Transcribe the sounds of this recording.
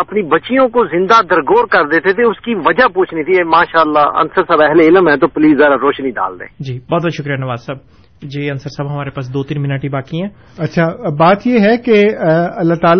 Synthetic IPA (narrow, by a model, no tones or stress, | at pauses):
ɐpnibɐtːt͡ʃijõkozɪ̃nd̪ad̪əɾɡoːɾkɐɾd̪eːt̪et̪ʰeʊskiʋɐd͡ʒapuːt͡ʃʰnit̪ʰiɛmaːʃaːəlːaːɐ̰nsəɾsaːbɛɦleɪləmɦɛ̃t̪̬opʊliːszjaːɾaɾoːʃnĩɖa̰ːld̪ḛ̃ːd͡ʒiːbɔːt̪̚bɔːt̪ʃʊkɾijanəʋaːzsab̚ | d͡ʒeːɐnsəɾsaːbɦɐmaːɾepaːs̬d̪oːt̪iːnmɪnəʈibaːkiɦɛ̃ː | ɐtːʃʰaːbaːt̪jeɦɛkeɐlːaːt̪aːl